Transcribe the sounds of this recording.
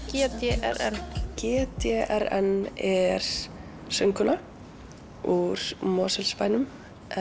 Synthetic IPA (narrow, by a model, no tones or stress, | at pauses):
cɛːt̪ɛʔɛ̰ɾɛnːcɛːt̪ɛʔɛɾɛnɛɾ̥ | sœŋkʏna | uɾ̥mɔːsɛlspaːjnʏm